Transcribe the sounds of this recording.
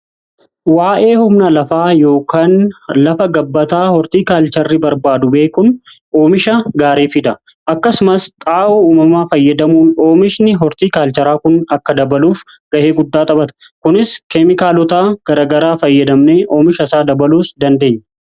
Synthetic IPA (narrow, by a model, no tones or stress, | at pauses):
waːʔe̞ːhʊmnɐlɐfaːjo̞ːkaːnlɐfɐɡɐbːɐt̪aːhɔɾt̪iːkaːlt͡ʃɐrːɪbɐɾbaːd̪ʊbe̞ːkʊn | oːmɪʃɐɡaːɾeːfɪd̪ɐ | ʔɐkːɐsʊmɐst̪ʼaːʔʊuːmɐmaːfɐjːɐd̪ɐmuːno̞ːmɪʃnɪɦɔɾt̪iːkaːlt͡ʃɐɾaːkʊnɐkːɐd̪ɐbɐluːf | ɡ̥ɐʔeːɡʊd̪ːaːt̪ʼɐbɐt̪ɐ̥kʊnɪskɛmɪkaːlɔt̪aːɡ̥ɐɾaːɡɐɾaːfɐjːɐd̪ɐmneːʔo̞ːmɪʃɐsaːd̪ɐbɐluːsd̪ɐnd̪e̞ːɲːɐ